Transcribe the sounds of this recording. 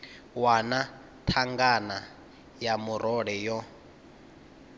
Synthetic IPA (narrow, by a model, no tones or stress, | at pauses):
wana | tʰaŋɡana | jamuɾɔɺɛjɔ